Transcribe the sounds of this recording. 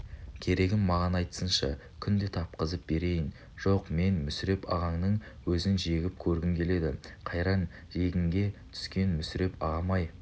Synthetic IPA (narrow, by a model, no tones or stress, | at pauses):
kʲʰe̞ɾe̞ɡʲɪmːɑʁɑnɑjt̪ə̥sənʃɑ | kʲʰʏnd̪e̞t̪ʰɑp̚qəzəp̚be̞ɾe̞jɪn | ʒ̥o̞qme̞nmʏsɪɾe̞pɑ̰ʁɑɴnəɴ | wɵzɪnʒe̞ɡʲɪp̚kʲʰɵɾɡʲɪmkʲʰe̞le̞d̪ɪqʰɑjɾɑn | ʒe̞ɡʲɪŋɡʲe̞t̪ʰʏ̥skʲe̞nmʏsɪɾe̞pɑʁɑmɑj